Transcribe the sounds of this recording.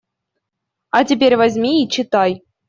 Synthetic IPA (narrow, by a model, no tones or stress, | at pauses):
ɑtʲip̬ʲeɾʲvazʲmʲiit͡ɕɪt̪ɑj